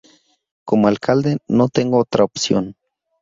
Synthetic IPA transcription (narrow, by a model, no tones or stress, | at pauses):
komoalkʰald̪enot̪eŋɡoot̪ɾaopsjon